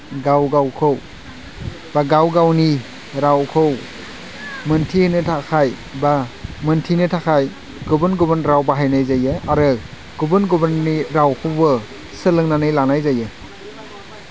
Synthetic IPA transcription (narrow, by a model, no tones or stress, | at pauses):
ɡawɡawkʰɯw | b̥aɡawɡawni | ɾawkʰɯw | mɯntʰihɯnɯtʰakʰaj | bamɯntʰinɯtʰakʰaj | ɡubɯnɡubɯnɾawbaɦajnajzajɯaɾɯ | ɡ̥ubɯnɡubɯnːiɾawkʰɯwbɯ | sɯlɯŋnanɯjlanajzajɯ